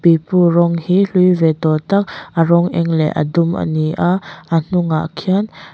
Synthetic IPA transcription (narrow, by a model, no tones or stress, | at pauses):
pipurɔŋhiɬujvɛt̪ɔt̪ak̚ʔərɔŋʔɛ̰ŋlɛ̰ʔə̰dʊmʔə̰niʔaʔʔən̥ʊŋa̰ʔkʰian